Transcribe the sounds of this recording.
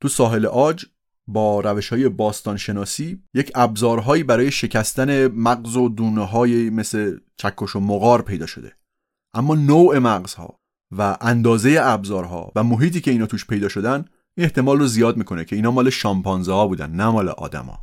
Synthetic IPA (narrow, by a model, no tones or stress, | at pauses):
t̪ʰusɒːɦe̞leʔɒːd͡ʒ | bɒːɾæve̞ʃhɒːje̞bɒːst̪ɒːnʃe̞nɒːsiːje̞cʰæbzɒːɾɦɒːiːbæɾɒːje̞ʃe̞cʰæst̪æne̞mæɡzo̞d̪uːneɦɒːjeme̞slet͡ʃʰækʰːoʃomoɣɒːɾpʰe̞jd̪ɒːʃo̞̰d̪e̞̰ | ʔæmːɒːnowe̞mæɣz̥hɒ̰ː | væʔænd̪ɒːze̞je̞æbzɒːɾɦɒ̰væmoɦiːt̪iːcʰe̞iːnɒːt̪uːʃpʰe̞jd̪ɒːʃo̞d̪ænd̪ | iːneht̪e̞mɒːlrozijɒːd̪̚miːkʰonecʰe̞iːnɒːmɒːle̞ʃɒmpɒnzehɒːbuːd̪æ̰nnæmɒːlḛʔɒ̰ːd̪æ̰mɒ̰ː